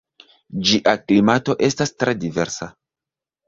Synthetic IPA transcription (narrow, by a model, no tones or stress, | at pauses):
d͡ʒiʔaklimato̞ʔe̞stastɾe̞dive̞ɾsa